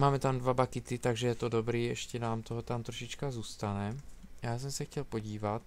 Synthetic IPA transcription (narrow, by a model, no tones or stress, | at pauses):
maːmɛt̪amd̪vabakɪt̪ɪt̪aɡʒɛjɛt̪odobɾiːɛʃcɛnaːmt̪oɦot̪amt̪ɾoʃit͡ʃkazuːst̪anɛjaːsɛmsɛxcɛlpoɟiːvat̪